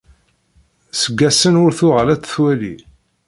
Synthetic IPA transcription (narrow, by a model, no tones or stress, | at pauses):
səɡːæsənʊɾθʊʁəlæt͡sːθwælḭ